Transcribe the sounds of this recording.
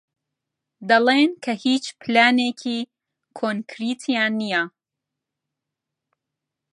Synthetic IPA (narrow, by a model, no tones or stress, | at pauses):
d̪ɐlenkʰɐhiːt͡ʃpɨlaːneːkʰiː | kʰonkʰɾiːt̪ʰijaːnːija